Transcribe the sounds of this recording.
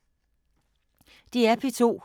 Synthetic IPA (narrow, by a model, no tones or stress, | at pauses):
d̥iæpʰit͡sʰo̝̰ː